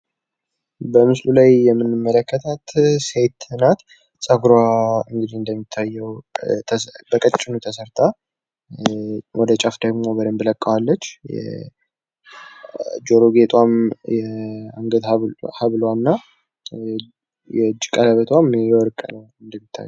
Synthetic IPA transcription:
bəmɨslulajːɛmːɨnːɨmːələkʰːət̪ʰat̪set̪nat̪ | sʼəkuɾwaɨŋɡɨd̪iɨnd̪əmːit̪ʰːajːɛw̪ʰ | bəkʼət͡ʃʼːɪnut̪ʰəsəɾt̪ʰa | wʔɔd̪ət͡ʃʼafd̪əɡmo̞bəd̪əmbləkʼːawalːət͡ʃːjɛ̰ | d͡ʒoɾoɡet̪ʼwamjɛaŋɡət̪haβlwanːa | jɛd͡ʒːkʼaləβət̪ʰwamjɛwɔɾkʼənəwɨnd̪əmːit̪ʰːa̰j

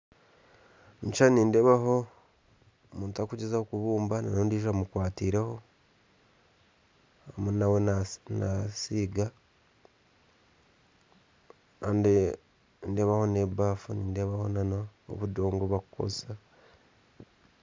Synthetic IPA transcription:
nit͡ʃaniːndeβaɦo̞ | muːntakuɟezahokuβuːmbananondiːʒamukwaːtiːɾeho̞ | hamunawennasiːɡa | and | nde̞βaho̞ne̞baːfuniːnde̞βaho̞nano̰ːβudo̞ːŋɡoβakuko̞̰̥a

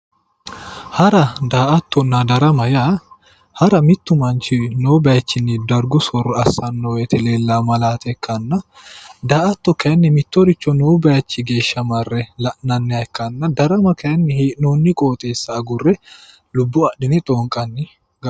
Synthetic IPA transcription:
hɐɾɐd̪aːʔɐt̪ːɔnːɐd̪ɐɾɐmɐjaː | hɐɾɐmɪt̪ːʊmɐnt͡ʃɪnoːbɐjɐt͡ʃːɪnːɪd̪ɐɾɡʊsɔrːɔɐsːɐnːɔwɛt̪ʰɛle̞ːlːaːmɐlaːt̪ʰɛkːɐnːɐ | d̪aːʔɐt̪ːɔkɐjɐnːɪmɪt̪ːɔɾɪt͡ʃːɔnoːbɐjɐt͡ʃːɪɡe̞ːʃːɐmɐrːɛlɐʔnɐnːɛɐɛkːɐnːɐd̪ɐɾɐmɐkʰɐɐnːɪheːʔnoːnːɪkʼoːt̪ʼe̞ːsːɐːɡʊrːɛ | lʊbːʊɐʔdɪnɪt̪ʼoːŋkʼɐnːɪ | ɡɐ

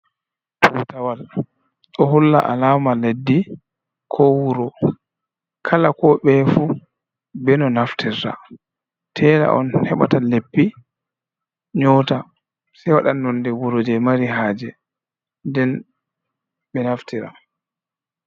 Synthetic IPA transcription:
tʰutawal | ɗɔɦulːa̰ʔa̰laːmaledːi | kʰɔwuɾɔ | kʰalakɔɓɛfu | bɛnɔnaftʰiɾta̰ | tʰɛːla̰ʔɔ̰nhɛɓa̰talepːi | ɲɔta | sajwaɗanːɔndɛwuɾod͡ʒɛmaɾiɦaːd͡ʒɛ | ndɛn | bɛnaftiɾa̰

